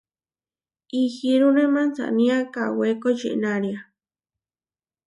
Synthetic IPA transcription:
ixiɾunẽmãnt͡sa̰ʔnĩakawekot͡ʃḭʔnaɾia

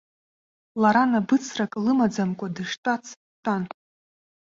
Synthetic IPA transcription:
laɾanabɨt͡sʰrakʼlɨmad͡zamkʷʼadɨʂtʼat͡sʰ | tʼan

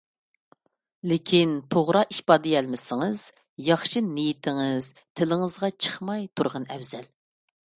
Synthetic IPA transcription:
lɪkʲʰint̪ʰoʁɾɑiʃpɑːd̪ɪjɛlmɪsɪŋɨz̥ | jɑχʃinijit̪ʰɪŋɨz̥ | t̪ʰɪlɪŋɨzʁɑt͡ʃʰə̥χmɑjt̪ʰuɾʁɑnɛwz̥ɛl

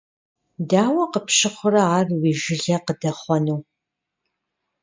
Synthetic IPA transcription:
daːwɐqəpɕɪχʷʊrɐaːrwiːʒɪɮɐqədɐχʷɔnɨw

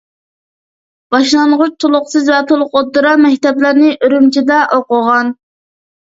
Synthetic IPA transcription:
b̥ɑʃlˠɑɴʁʊt͡ʃt̪ʰolˠʊqsɨzvɛt̪ʰolˠʊqot̪ːɨɾɑmɛkʲt̪ɛplæɾnɪʔøɾymt͡ʃʰid̪ɛʔoqʊʁɑn

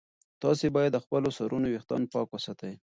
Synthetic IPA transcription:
t̪ɑsebɑjad̪ːəxpəlosaɾunowext̪ɑ̰npɑkwasɑt̪aj

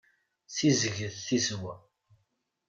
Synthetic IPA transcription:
θizəʝəðθizwæ

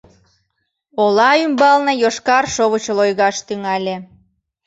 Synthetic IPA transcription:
olɑymbɑlnejoʃkɑrʃoβət͡ɕəlojɣɑʃt̪yŋɑlʲe

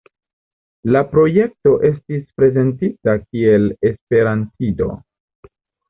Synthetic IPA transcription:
lapɾo̞je̞k̚to̞ʔe̞s̬tispɾe̞ze̞ntitakie̞le̞spe̞ɾantido̞̰

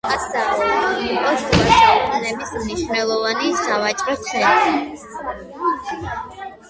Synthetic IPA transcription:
asaʁɛlːqʼɔsuaʃɛtʰʼnɛbismniʃvnɛlˠɔvanisavat͡ʃʼɾɔt̪sʰɛnt̪i

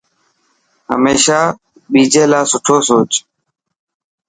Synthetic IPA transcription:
ɦə̰meːʃaː | ɓiːd͡ʒeːlaːsʊʈʰoːsoːt͡ʃ

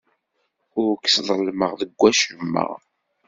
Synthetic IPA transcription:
ʊɾksðˤəlməʁðəɡʷːæʃəmːə̰ʁ

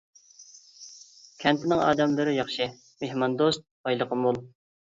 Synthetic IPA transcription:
kʲʰɛnt̪ʰɪnɪŋɑ̰ːd̪ɛmlɨɾɪjɑχʃɪ | mehmɑnd̪ost̪̚ɑjlˠəqʰəmulˠ

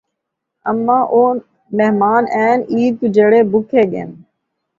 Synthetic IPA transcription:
əmːãːʔoː | meɦmaːnɛːniːd̪̚kʊd͡ʒeːɽeːbʊkʰeːɠḛːn

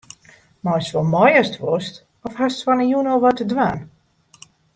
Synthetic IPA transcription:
mɔstʋɔlˠmɔjəstʋɔst | ɔfhastfɔnəjunɔlˠʋɔtədʋaːn

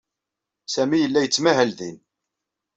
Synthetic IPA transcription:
sæmijəlːæjət͡sːmæɦəlðḭn

